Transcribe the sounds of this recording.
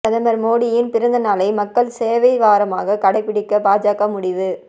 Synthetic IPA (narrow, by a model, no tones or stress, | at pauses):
ɐðɐmɐɾmoːɽɪjɪnpɪɾɐnd̪ɐnaːlɐɪmɐkːɐɭseːʋɐɪʋaːɾɐmaːɣɐkɐɽɐɪpːɪɽɪkːɐpaːd͡ʒaːɣɐmʊɽɪʋɯ